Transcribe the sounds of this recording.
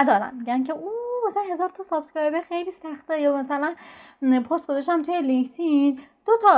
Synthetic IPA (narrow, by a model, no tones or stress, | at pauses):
æd̪ɒːɾæ̰mːiɟʲæncʰe̞ʔumæsænɦe̞zɒːɾt̪ʰɒːsɒːbskɒːebexejliːsæxt̪ɛjɒmæsælænpʰost̪ɡ̥ozɒʃt̪æmt̪ʰujeliŋkt̪ʰid̪̥ot̪ʰɒ